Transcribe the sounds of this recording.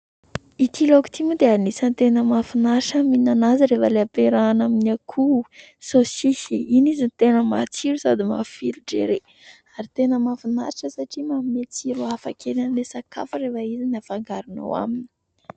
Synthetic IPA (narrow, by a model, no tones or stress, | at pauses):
it̪ʰiloku̥t̪ʰimud̪eainisant̪enəmafinaʃaminanaziɾefəleapeɾaːnaminakʰu | sosisiinizint̪enəma̰t͡siɾusad̪ima̰filuɖ͡ʐḛɾe | aɾit̪enəmafinaɾʈ͡ʂəsaʈ͡ʂimammet͡siɾuafa̰kʰeɾanlesaka̰fərevəizinafaŋɡaɾino̰wa̰mini̥